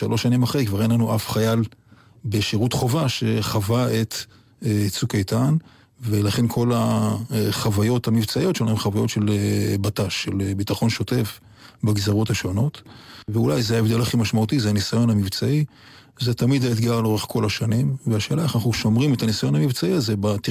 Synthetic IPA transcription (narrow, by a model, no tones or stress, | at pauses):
ʃalʔo̞ʃːanimaχejkvaʁenlanuʔafχajal | beʃiʁut̪χo̞vaʃe̞χavae̞t̪ | t͡sukejtan | velaχe̞nkʰo̞la | χavajo̞t̪hamivt͡saijo̞tʃelaemχavajo̞tʃe̞lbataʃːelbit̪aχo̞nʃo̞te̞f | baɡzaʁo̞thaʃo̞no̞tveulajzehaevd̪e̞laχimaʃmautizeanisajo̞nhamivt͡sai | zet̪amid̪ait̪ɡaʁlo̞ʁe̞χko̞laʃanimveaʃeːlaeχanaχnuʃo̞mʁimet̪anisajo̞nhamivt͡saiazebat̪i